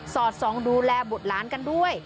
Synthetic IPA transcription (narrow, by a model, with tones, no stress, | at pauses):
sɔː˨˩t̪̚sɔː˩˦ŋduː˧lɛː˧bo˨˩t̪̚laː˩˦nka˧ndu˥˩əj